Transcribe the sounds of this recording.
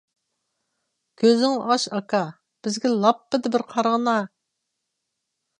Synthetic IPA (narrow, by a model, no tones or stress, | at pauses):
kʲʰøzɪŋʔɑʃɑkɑ | b̥ɪzɡʲɛlˠɑpːɪd̪ɪbɪɾqʰɑɾʁənɑ